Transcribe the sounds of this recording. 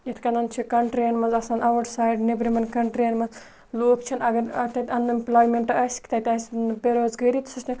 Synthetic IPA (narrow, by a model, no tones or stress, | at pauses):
jet̪ʰkɐnɐnt͡ʃʰikɐɳʈɾɐnmɐnzɐsaːnɐʋɐʈsaːjɖnebɾimɐnkɐɳʈɾenmɐz | loːkt͡ʃʰɐnɐɡɐɾɐt̪ɐt̪ʲɐnd̪ɐmplaːjmeɳʈɐɐsʲki̥t̪ɐt̪ʲɐsʲbeɾoːzɡɐɾit̪sɐsʲnʲi